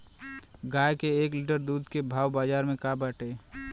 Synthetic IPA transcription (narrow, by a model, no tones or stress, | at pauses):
ɡajkeeːkliʈəɾd̪uːd̪kebʱaːwbaːd͡ʒaːɾmẽkabəʈe